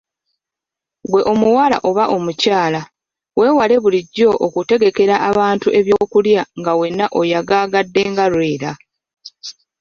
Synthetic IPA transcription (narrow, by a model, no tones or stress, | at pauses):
ɡwe̞ʔo̞muwala̰ʔo̞βaʔo̞mucaːla | we̞ːwale̞βuliɟːo̞ʔokute̞ɡe̞ke̞ɾaʔaβaːntuʔe̞βjo̞ːkuljaŋɡawe̞nːaʔo̞jaɡaːɡadːe̞ːŋɡaɾwe̞ːɾa